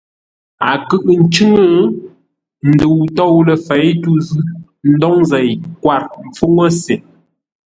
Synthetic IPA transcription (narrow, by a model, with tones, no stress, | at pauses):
a˨kɯ˦ʔn̩˨˦t͡ʃʉ˦ŋə˦ | n̩˨də˨wtɔ˦˨wlə˨fɛ˨˦jtu˦zʉ˦ | n̩˦dɔ˦ŋzɛ˨jkwa˨ɾm̩˨p͡fu˦ŋə˦se˨